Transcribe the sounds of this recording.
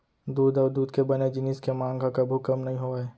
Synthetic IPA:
d̪uːd̪ɔːd̪uːd̪kebɐned͡ʒɪnɪskemãːŋɡakɐbʱʊkəmnɐɦĩɦoːaeː

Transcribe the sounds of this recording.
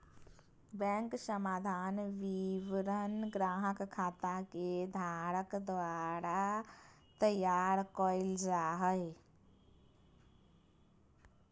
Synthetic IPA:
bɛ̃ŋksəmad̪ʱanʋiʋɾənɡɾaɦəkkʰːat̪aked̪ʱaɾəkd̪ʋaɾa | t̪əjaɾkəɪld͡ʒaɦəj

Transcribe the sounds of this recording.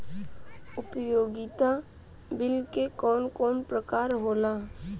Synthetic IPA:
ʊpəjoːɡɪt̪a | bɪlkekɔːnkɔːnpɾəkaːɾɦoːlaː

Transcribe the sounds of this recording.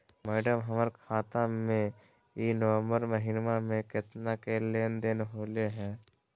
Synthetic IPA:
mɛːɖəmɦəməɾkʰaːt̪amẽ | inəʋə̃mbəɾməɦɪnmamẽkɪt̪nakeleːnd̪enɦoːleɦɛ̃ː

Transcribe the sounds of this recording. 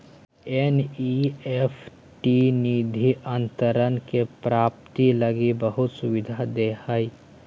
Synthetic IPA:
eniepʰ | ʈinid̪ʱiʔə̃nt̪əɾənkepɾaːp̚t̪iləɡibəɦʊt̪sʊʋɪd̪ʱad̪ehai

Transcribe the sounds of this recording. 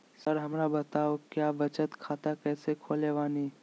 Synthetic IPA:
səɾɦɐmɾabɐt̪aːokjaːʋɐt͡ʃət̪kʰaːt̪akɛːsekʰoːleʋaːniː

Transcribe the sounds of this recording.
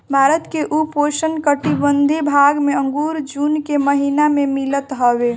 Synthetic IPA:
bʱaɾət̪keʔupoʃənkəʈibənd̪ʱibʱaɡmeə̃ŋɡuɾd͡ʒunkeməɦinamemilət̪ɦəbe

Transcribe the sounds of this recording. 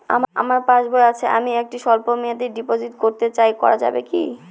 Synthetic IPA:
a̰ma̰maɾpãd͡ʑboeat͡ɕʰeʔa̰miek̚ʈiʃɔlpomiad̪iɾɖipod͡ʑiʈkoɾt̪et͡ɕajkɔ̰ɾad͡ʑa̰bekḭ

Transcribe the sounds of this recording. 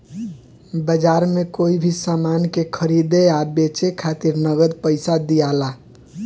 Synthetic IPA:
bəd͡ʒaɾmekoibʱisamankekʰəɾid̪eabet͡ʃekʰat̪iɾnəɡəd̪pəɪsad̪ijala

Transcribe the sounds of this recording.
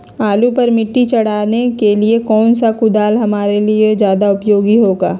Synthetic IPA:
aːlupɐɾmɪʈːit͡ʃɐɽ̤aːnekeliekɔːnsakʊd̪aːlɦɐmaːɾelied͡ʒjaːd̪aʊpjoːɡiɦoːɡaː

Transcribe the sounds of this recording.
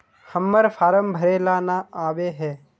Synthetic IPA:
həmːəɾfʰaːɾəmbʱɐɾeːlaːnaaːʋeɦɛː

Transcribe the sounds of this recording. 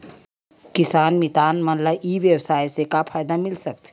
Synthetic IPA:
kɪsaːnmit̪aːnmənləʔiʋjəwsaːjsekapʰaːjd̪amɪlsək̚t̪ʰ

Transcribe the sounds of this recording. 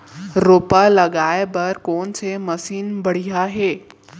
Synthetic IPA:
ɾoːpalɐɠaːebɐɾkoːnt͡sʰemɐsiːnbɐɽ̤iɦaɦeː

